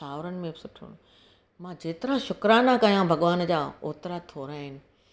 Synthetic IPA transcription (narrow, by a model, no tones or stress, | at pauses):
saːʋɾənɪ̆mẽbɪsʊʈʰṵñ | mãːd͡ʑeːt̪ɪɾãʃʊkɾanakɐjãbʱɐɠʋaːnd͡ʑaːoːt̪ɪɾat̪ʰoːɾaːɦɪnɪ̆